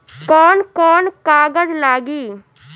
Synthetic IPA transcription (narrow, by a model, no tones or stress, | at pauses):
kɔːnkɔːnkaːɡəd͡ʒlaːɡiː